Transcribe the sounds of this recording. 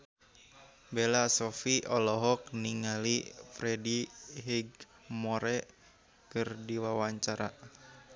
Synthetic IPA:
belasɔfiʔɔlɔɦɔk̚niŋalifɾɛdiɦiɡ | mɔɾɛ | kɨrdiwawaɲt͡ʃaɾa

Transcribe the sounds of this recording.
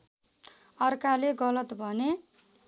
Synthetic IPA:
ʌrkaleɡʌlʌt̪bʱʌne

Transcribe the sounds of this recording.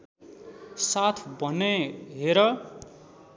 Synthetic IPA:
sat̪ʰbʌneɦeɾʌ

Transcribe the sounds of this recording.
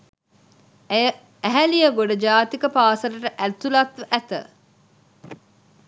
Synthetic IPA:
æɦælijəɡoɖɐd͡ʒaːt̪ikəpaːsɐlɐʈəʔæt̪ulɐt̪ʋʔæt̪ə̰

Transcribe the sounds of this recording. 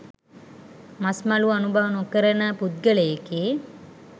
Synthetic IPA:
masmaluanubaʋənukəɾənəpud̪̚ɡəlejeki

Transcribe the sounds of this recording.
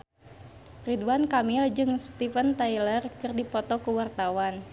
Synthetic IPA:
riduankamild͡ʒɨŋst̪ifənt̪ajlərkɨrdipɔt̪ɔkuwart̪awan

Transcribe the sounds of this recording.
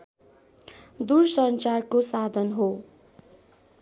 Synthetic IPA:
d̪ursʌnt͡sarkosad̪ʱʌnɦo

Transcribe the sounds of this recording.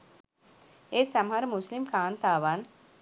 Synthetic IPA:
esɐmɦɐɾmuslimkaːnt̪aːʋaːn

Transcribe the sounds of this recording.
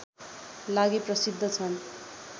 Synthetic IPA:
laɡeprʌsid̪ʱːʌt͡sʰʌn

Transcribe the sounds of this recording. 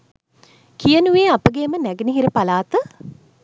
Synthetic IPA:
kijənuʋeːapəɡeːmənæɡeniɦiɾəpalaːt̪ə

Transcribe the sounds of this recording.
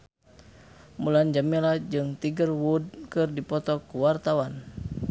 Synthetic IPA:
muland͡ʒamilad͡ʒɨŋt̪iɡərwudkɨrdipɔt̪ɔkuwart̪awan

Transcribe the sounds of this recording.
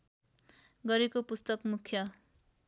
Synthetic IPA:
ɡʌɾekopust̪ʌkmukʰjʌ

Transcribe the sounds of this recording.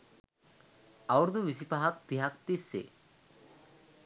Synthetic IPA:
ɐwɾd̪uʋisipaɦɐk̚t̪iɦakt̪isːḛ

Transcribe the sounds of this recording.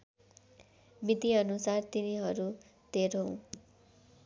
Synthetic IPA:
mit̪iʌnusart̪iniɦʌɾu | d̪̥ʱeɾoɦõ

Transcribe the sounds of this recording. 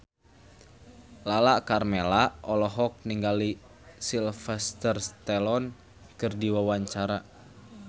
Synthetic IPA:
lalaʔkarmelaɔlɔɦɔk̚niŋɡali | silfɛst̪ərst̪ɛlɔn | kɨrdiwawaɲt͡ʃaɾa

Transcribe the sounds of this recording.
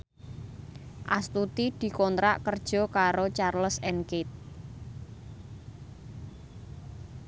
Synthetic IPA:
ʔast̪ut̪id̪̥i̤kɔnt̪ɾa̰ʔkərd̥ʒ̥ɔ̤kaɾot͡ʃarləsɛnkɪt̪̚

